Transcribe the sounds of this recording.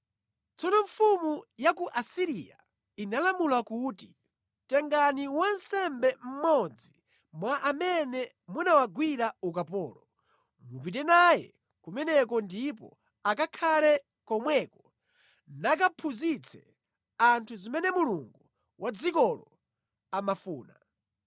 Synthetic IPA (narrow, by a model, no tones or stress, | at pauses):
t͡sɔnɔɱfumujakuʔasiɾija̰ | inalamulakuːti | tɛŋɡaniwansɛmbɛm̩mɔd͡zi | mwaʔamɛnɛ | munawaɡwiɾaukapɔːlɔ | mup̬it̬ɛnajɛ̰ | kumɛnɛkɔndipɔ̰ | akakʰalɛ | kɔmwɛkɔ | nak̬apʰuzit͡sʰɛ̰ | antʰuzimɛnɛmuluŋɡu | wʔad͡zikɔlɔ | amafuːna